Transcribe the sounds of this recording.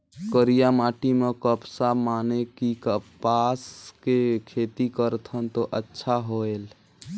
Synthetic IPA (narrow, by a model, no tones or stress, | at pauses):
kəɾijamaʈimekəpsamanekikəpaskekʰet̪ikəɾt̪ʰənt̪oʔətːʃʰaɦoel